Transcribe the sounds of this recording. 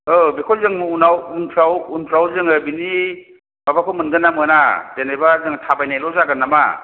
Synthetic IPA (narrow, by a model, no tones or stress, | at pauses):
ɯbekʰɔlzɯŋmuunawuntʰɾawuntʰɾawzɯŋɯbini | babakʰɔmɯnɡɯnːamɯnadenajbazɯŋtʰabajnajlɔzaɡɯnːama̰